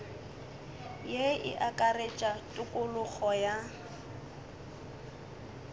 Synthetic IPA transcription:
jeɪ̰ʔakʼaret͡ʃʼatʼʊkʼʊlʊk͡xʰɔja

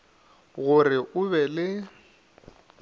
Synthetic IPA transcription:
ɣʊrɪʔʊβɛlɪ

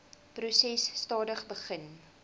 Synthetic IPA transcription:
prusɛsːtɑːdəχbəχən

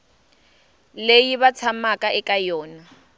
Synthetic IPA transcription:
lejiβat͡sʰamakʼaʔɪkʼajɔːna

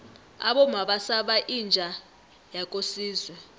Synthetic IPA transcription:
a̰ɓɔmaɓasaɓaʔind͡ʒʱa | jakʼosiːzwɛ

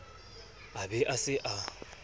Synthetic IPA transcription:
abɛʔasɪʔa

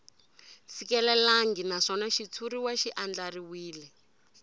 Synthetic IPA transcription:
sikɛlɛlaŋɡinaʂɔnaʃit͡sʰuɾiwaʃiʔand͡ɮariwiːlɛ

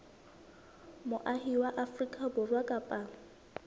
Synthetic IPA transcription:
mʊʔahiwaʔafrikʼabʊrwakʼapʼaːŋ̩

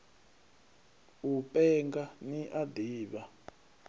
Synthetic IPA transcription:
upʼɛŋɡaniʔadiːɓa

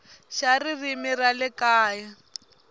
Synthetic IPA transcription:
ʃaririmiralɪkaːja

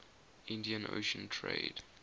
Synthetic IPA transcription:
ɪ̃ndiə̃no̰ːʃə̃ntʰɹḛɪd̥

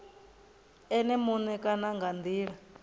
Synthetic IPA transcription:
ɛnɛmunɛkanaŋɡand̪iːɺa

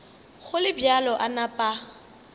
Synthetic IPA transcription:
ɣʊlɪbjalɔʔanapʼa

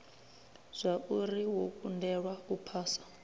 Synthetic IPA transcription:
z̥ʷaʔuriwokʼundɛɺwakupʰaːsḁ

